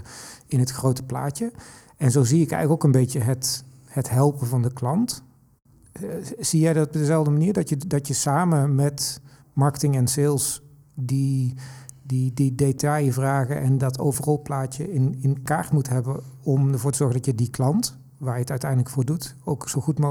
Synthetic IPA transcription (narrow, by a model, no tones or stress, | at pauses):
ɪnɦətxrowtə̥pla̰ːt͡ʃə | ɛnzowziɪkɛ̰jɣləkokənbejtəɦət | hətɦɛlˠpəvɑndəklɑnt | z̥ijɛjdɑtɔb̚dəzɛlˠvdəmaniːɹdɑtjədɑtjəsaːməmɛt | mɑɹkətɪŋɛnsɪlˠs | di | dididetɑjvraːɣəʔɛndɑtʰo̰wvərɑlˠplaːt͡ʃəɪnɪnkaːɹtmutɦɛbənɔməɹvoːɹtəzɔɹɣəndɑtjədiklɑnt | ʋaːɹjəətœɥtɛjdləkfʊːɹdutowksowxutmo